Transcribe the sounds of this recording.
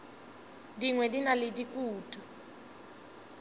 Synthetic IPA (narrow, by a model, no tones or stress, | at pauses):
diŋwɛdinaledikʼuːtʼu